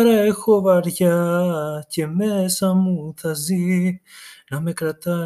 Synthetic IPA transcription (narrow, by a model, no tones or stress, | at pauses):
ɾexoβaɾjacemesamuθazi | nãmekɾat̪a